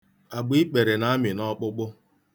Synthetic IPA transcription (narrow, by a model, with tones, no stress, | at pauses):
a˨ɡ͡bi˦k͡pe˨ɾe˨na˨˦mɪ˨nɔ˦k͡pʊ˦k͡pʊ˦